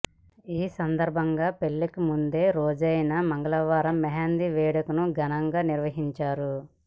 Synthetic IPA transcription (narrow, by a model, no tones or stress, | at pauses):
iːsɐnd̪ɐɾbʱɐŋɡaːpeɭːikimund̪e̞ːɾoːd͡ʒɐjɐnɐmɐŋɡɐɭɐʋaːɾɐmːɛɦaːnd̪iʋɛːɽɐkunuɡɐnɐŋɡaːniɾʋɐɦiɲt͡ʃaːɾu